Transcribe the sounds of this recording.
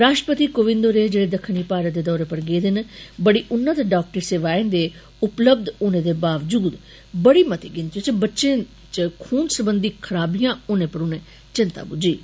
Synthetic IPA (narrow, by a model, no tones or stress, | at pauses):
ɾaːʃʈəpət̪iːkoːʋɪ̃nd̪oːɾeːd͡ʒeːɽeːd̪əkʰːəniːpaːɾət̪̚d̪eːd̪ɔːɾeːpəɾɡeːd̪ɪnbəɽiːʔʊnːət̪ɖaːk̚ʈəɾseːʋaːẽːnd̪eː | ʊpləbd̪ʊnẽːd̪eːbaːʋd͡ʒuːd̪ | bəɽiːmət̪iːɡɪnt̪it͡ʃəbətːʃẽː | t͡ʃəkʰuːnsəbənd̪iːkʰəɾaːbijãːʊnẽːpəɾʊneː | t͡ʃɪ̃nt̪a̰ːbʊd͡ʒiː